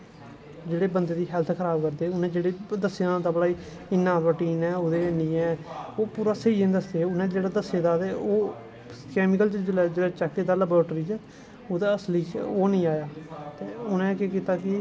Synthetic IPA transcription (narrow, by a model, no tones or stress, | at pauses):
d͡ʒeːɽeːbənd̪eːd̪iːɦɛlt̪ʰkʰəɾaːbkəɾd̪eːʊnẽːd͡ʒeːɽeːd̪əseːt̪aːbəɽaːiː | ɪnːãːbəʈiːnɛːod̪eːnĩːɛːoːpuːɾaːsəiːẽd̪əsd̪eːʊnẽːd͡ʒeːɽaːd̪əseːd̪aːd̪eːoː | kɛːmɪkəlt͡ʃd͡ʒɪlɛːd͡ʒeːɽaːt͡ʃɛːkːeːd̪aːləboɾːʈɾiːt͡ʃɛː | oːd̪aːəsliːt͡ʃoːnĩːaːjaːt̪eːʊnẽːkekiːt̪aːkɪ